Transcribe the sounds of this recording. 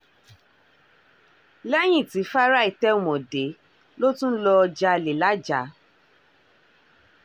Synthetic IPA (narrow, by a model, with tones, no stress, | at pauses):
lɛ˦j̃ĩ˦˨ti˨˦fa˦ɾa˦i˨tɛ˦u˨mɔ̃˨de˨˦ | lo˦tũ˦lɔ˧d͡ʒa˧˨le˨la˨˦d͡ʒa˨˦